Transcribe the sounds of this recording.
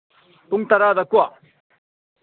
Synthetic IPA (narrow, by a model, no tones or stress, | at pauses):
t̪uŋt̪ɐɾaːd̪ɐkua